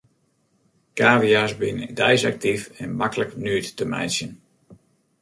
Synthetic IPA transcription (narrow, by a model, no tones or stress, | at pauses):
kaːviasbɪnədɛjsa̰k̚tifɛnmakələknyːtːəmɛ̰jsjən